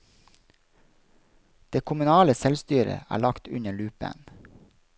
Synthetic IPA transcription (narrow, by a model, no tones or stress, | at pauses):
d̪̥eːkʰʊmʉnɑːləsɛlst̪yːɾə̰ʔæ̰ːɭɑkt̪ʉɲəɭʉːpə̰n